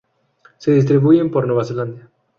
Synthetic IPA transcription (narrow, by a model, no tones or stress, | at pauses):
seðis̬t̪ɾiβujempoɾnweβaseland̪ja